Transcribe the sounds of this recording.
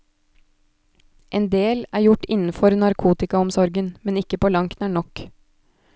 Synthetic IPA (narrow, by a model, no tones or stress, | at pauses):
ʔeːnd̪eːlæːɾjʊʈːɪnn̩fɔɾnɑɾkʰuːt̪ɪkɑɔmsɔɾɡənmɛnɪkːəpʰoːlɑŋkt̪næːɳɔk